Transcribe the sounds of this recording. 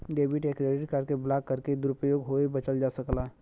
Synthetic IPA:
ɖeːbɪʈeːkɾeːɖɪʈkəɾkeblaːkːəɾked̪ʊɾʊpəjoːɡɦoebət͡ʃəld͡ʒasəklaɦ

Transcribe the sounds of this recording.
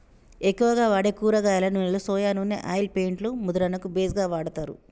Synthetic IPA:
ekːuʋɐɡaːʋaːɽekuːɾɐɡaːjlɐnunelusɔːjaːnunːḛʔaːjlpeːɳʈlumud̪ɐɾɐnɐkubeːsɡaːʋaːɽɐt̪aːɾṵ

